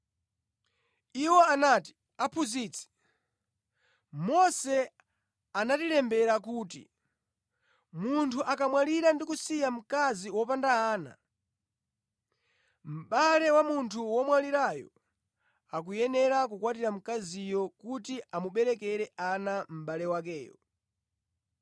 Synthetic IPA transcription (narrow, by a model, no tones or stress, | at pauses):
iwɔanati̥ | apʰuziːt͡sʰi̥ | mɔsɛ | anatiɾɛmbɛɾak̬uːtḭ | muntʰuʔakamwaliɾandikusijam̩kaziwɔpandaaːna̰ | m̩ɓalɛwamuntʰuwɔmwaliɾajɔ̰ | ak̬ujɛnɛɾak̬ukwatiɾam̩kazijɔkutiʔamuɓɛɾɛkɛɾɛʔanam̩ɓalɛwak̬ɛ̰ːjɔ̰